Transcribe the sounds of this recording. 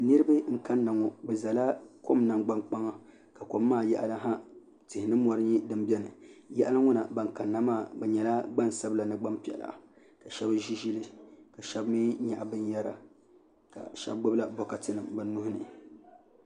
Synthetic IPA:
nɨ˦ɾɨ˦bɨ˦ŋ̩˦ka˦nːa˨ŋɔ˨bɛ˨za˨la˦ko˦mna˨ŋɡ͡ba˦ŋk͡pa˦ŋa˦ | ka˨ko˨mː˦aː˦˨jɛ˦ʔa˨la˦ɦa˦ | tɪ˨hɪ˨nɨ˦mɔ˨˦ɾɨ˦ɲi˦dɨ˦mbʲɛ˦nɨ˨jɛ˦ʔa˦la˦ŋʊ˦na̰˨ba˨ŋ˨ka˨nːa˨maː˦˨bɛ˨ɲɛ˨la˦ɡ͡ba˦n˨sa˦bla˨nɨ˦˨ɡ͡ba˦mpi˨ɛ̰˨la̰˨ʔa̰˨ | ka˨ʃɛ˦bʒi˦ʒi˦lɨ˦ka˨ʃɛ˦bmi˦ɲa˨ʔa˨bɨ˦n˦jɛ˦ɾa̰˨ | ka̰˨ʃɛ̰˦b̚ɡ͡bɨ˦bla˦bɔ˨ka˨tɨ˦nɨ˨mbɨ˨n˦nːʊ˦hʊ˦nɨ˨

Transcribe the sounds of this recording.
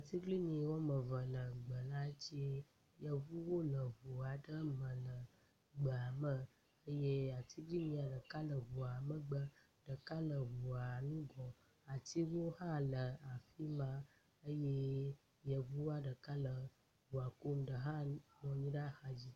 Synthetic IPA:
a˨t̪i˦ɡli˦ɲĩ˨wo˦mə̃˨və˨lə˨ɡ͡bə˨la˦t͡ɕi˦e˦ | jə˨vu˦wo˦lə˨βu˨a˨ɖə˦mə̃˨lə˨ | ɡ͡bə˨a˨mə˦ | ə˦je˦a˨t̪ʰi˦ɡli˦ɲĩ˨a˨ɖə˨ka˦lə˨vu˨a˨mə˨ɡ͡bə˦ | ɖ̥ə˨ka˦lə˨vu˨a˨nũ˦ɡɔ˨ | a˨t̪i˦wo˦hã˦lə˨a˨fi˦mã˦ | ə˦je˦ | jə˨vu˦a˨ɖə˨ka˦lə˨ | vu˨a˨ko˦mɖə˨ɦã˦nɔ̃˨ɲĩ˦ɖa˦xa˦d͡ʑi˦

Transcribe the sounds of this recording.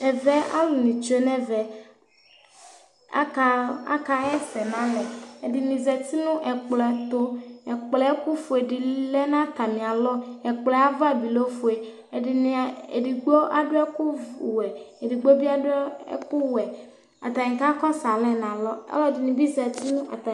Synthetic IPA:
ɛ˨vɛ˦a̰˦lũ˨nĩ˨t͡ʃe˨nɛ˦vɛ˨ | a̰˦ka˨˦a̰˦ka˨ɛ˦sɛ˨nã˦lɛ˨e˨di˨nĩ˨zɛ˨t̪i˦nũ˦ʔɛ˨k͡plɛ˨t̪o˦ɛ˨k͡plɛ˨ɛ˦ku˦fu˨e˨ɖi˨˦lɛ˦nã˦t̪a˨mĩ˨a˨lɔ˦ɛ˨k͡plɛ˨a˦va˦bi˨lo˦fu˨e˨ | e˨ɖi˨nĩ˨ḛ˨di˨ɡ͡bo˦ʔa˦ɖʊ˦ɛ˦ku˦wɛ˨e˨di˨ɡ͡bo˦bi˦a˦dʊ˦ɛ̰˦ku˦wɛ˨ | a̰˨t̪a˨ɲĩ˨ka˦kɔ˦sa˨lɛ˦nã˨lɔ˦ɛ̰˦lɔ˦˨di˨nĩ˨bi˦zɛ˨t̪i˦nũ˦a̰˨t̪a˨

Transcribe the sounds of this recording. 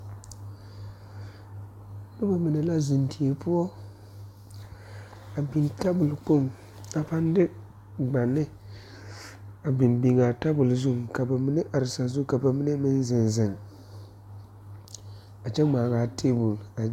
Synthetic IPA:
nʊ˦ba˨mi˨ne˨la˦zu˨ntʰi˨e˨pʊ˦ɔ˦ | a˨bi˨nta˦bʊ˨lk͡po˦˨m | a˨pa˦n˦dɪ˦ | ɡ͡ba˨nːɪ˦ | a˨bɪ˨nbi˨ŋa˨ta˦bʊ˨lzu˦ŋka˨ba˨mi˦ne˦ʔa˨ɾɪ˨sa˨zu˦ka˨ba˨mi˦ne˦mɪ˦n˦zɪ˨nzɪ˨ŋ | a˨t͡ʃɛ˦ŋ͡maː˨ɡaː˨tʰe˦bʊ˨la˨

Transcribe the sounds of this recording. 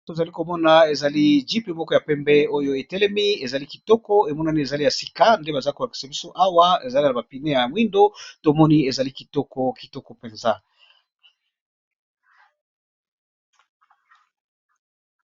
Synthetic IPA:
to˨za˨li˦ko˨mɔ˦na˨e˨za˨li˦d͡ʒi˦pe˦mɔ˦kɔ˦ja˨pɛ˦mbɛ˦o˦jo˦e˨tɛ˦lɛ˦mi˦e˨za˨li˦ki̥˨tɔ˦kɔ˦e˨mɔ˦na˦ni˦e˨za˨li˦ja˨si˨ka˦nde˦ba˨za˦i˦ko˨la˨ki̥˨sa˨bi˦so˦ʔa˦wa˦ḛ˨za˨li˦a˨a˨ba˨pi˨ne˦ja˨mwi˦ndo˦to˨mɔ˦ni˦e˨za˨li˦ki˨tɔ˦kɔ˦ki̥˨tɔ˦kɔ˨pe˨nza˦

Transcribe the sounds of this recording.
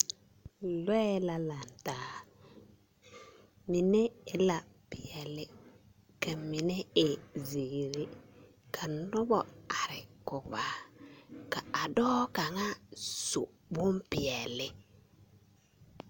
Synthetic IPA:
lwɛ˦la˦la˨n˨taː˨˦ | mi˨ne˦ɪ˦la˨pɪ˨jɛ˨lɪ˦ | ka˨mi˨ne˦ɪ˨zi˨ɾɪ˦ | kʰa˨nʊ˦bɔ˨a˨ɾɪ˨kʊ˨baː˨˦ | ka˨a˨dɔː˦ka˨ŋa˦sʊ̰˨ | bʊ˦mpɪ˨jɛ˨lɪ˦

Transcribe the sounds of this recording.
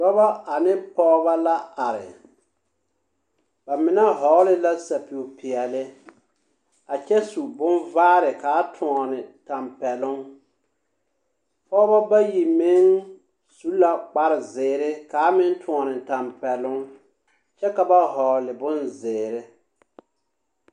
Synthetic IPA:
dɔ˦ba˦a˨nɪ˦pɔ˦ba˦la˦a˨ɾɪ̰˨ | ba˨mɪ˨na˦ɦɔ˨˦lɪ˦la˦sa˨pi˨o˨pɪ˨ɛ˨lɪ˦ | a˨t͡ʃɛ˦su˨bʊ˦nvaː˦ɾɪ˨kaː˨˦tʰʊ˨ɔ˨nɪ˨ta˨mpɛ˨lʊ˦ŋ | pɔ˦ba˦ba˦ji˨mɪ˦ŋ | su˨˦la˦k͡pa˦ɾɪ˨zɪː˨ɾɪ˦kaː˨˦mɪ˦n˦tʊ̃˨ɔ˨nɪ˨ta˨mpɛ˨lʊ˦ŋ | t͡ʃɛ˦ka˨ba˦ɦɔ˨lɪ˨bʊ˦nzɪː˨ɾɪ˦

